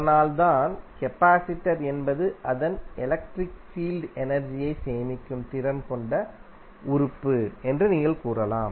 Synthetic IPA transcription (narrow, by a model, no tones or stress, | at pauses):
ɐɐnaːlt̪aːnkɛpːaːsɪʈːɐɾɛnbɐðɯʔɐðɐnɛlɐk̚ʈɾɪkfiːlɖɛnɐɾd͡ʒɪjɐɪseːjmɪkʲːɯmt̪ɪɾɐnkɔɳɖɐ | ʊɾɯpːɯɛndrɯniːŋɡɐlkuːrɐla̰ːm